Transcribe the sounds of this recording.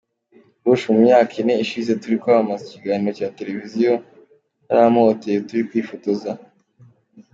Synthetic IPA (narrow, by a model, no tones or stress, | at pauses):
βuʃumuɲaːkʰine̞iʃize̞tuɾikoaβamaziciɡaniɾocaːte̞ɾe̞vizijo̞ | na̰ɾamoːtejotuɾikwiːfotoza